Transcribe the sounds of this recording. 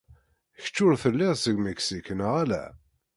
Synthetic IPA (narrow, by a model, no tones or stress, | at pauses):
çə̥t͡ʃːʊɾθəlːɪðˤsəɡməksikənʁælæ̰